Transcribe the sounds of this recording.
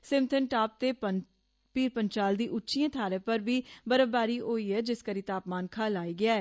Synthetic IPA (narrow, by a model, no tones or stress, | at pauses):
sɪmt̪ʰənʈaːp̚t̪eːpə | piːɾpəɲt͡ʃaːld̪iːʔʊtːʃiːãːt̪ʰaːɾeːpəɾbiːbəɾəbaːɾiːʔoːiːɛːd͡ʒɪskəɾiːt̪aːpmaːnkʰaːlaːiːɡɪaːɛː